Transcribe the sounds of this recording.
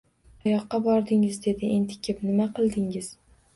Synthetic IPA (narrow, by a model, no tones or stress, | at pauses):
ajɒqːɑbɒɾd̪ɪŋɪzd̪e̞d̪ɪʔent̪ʰɪ̥kʲʰɪpnɪmaqʰɨlˠd̪ɪŋɪz̥